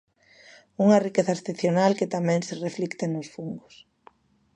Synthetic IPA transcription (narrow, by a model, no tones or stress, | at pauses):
uŋɐrikeθaesθeθjonalket̪amɛ̃ŋsereflikt̪enosfuŋɡʊs